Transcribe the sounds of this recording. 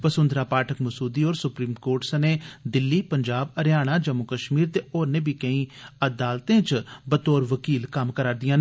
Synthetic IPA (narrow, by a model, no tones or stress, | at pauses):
pəsʊ̃nd̪ɾaːpaːʈʰəkməsuːd̪iːoːɾsʊpɾiːmkoːɾʈsəneːd̪ɪlːiːpəɲd͡ʒaːbəɾjaːɽ̃aːd͡ʒəmːʊkəʃmiːɾt̪eːoːɾnẽːbʱiːkəĩːəd̪aːlt̪ẽːt͡ʃbət̪oːɾʋəkiːlkəmkəɾaːɾd̪ijãː